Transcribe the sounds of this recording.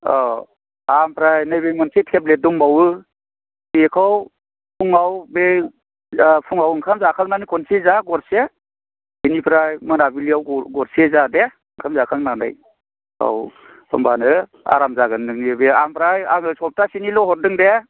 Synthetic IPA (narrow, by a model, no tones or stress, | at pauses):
ɔ | ampʰɾajnajbejmɔnsetʰeblet̚duŋbawɯ | bikʰɔw | pʰuŋawbe | pʰuŋawɯŋkʰamzakʰaŋnanɯjkʰɔnsizaɡɔɾse | binipʰɾajmɯnabiliawɡɔɾsezade | ŋkʰamzakʰaŋnanɯ̰j | a̰wʰ | ɔ̰mbanɯ | a̰ɾamzaɡɯndɯŋebea̰mpʰɾajaŋɯsɔp̚tʰasinilɔɦɔt̚dɯŋde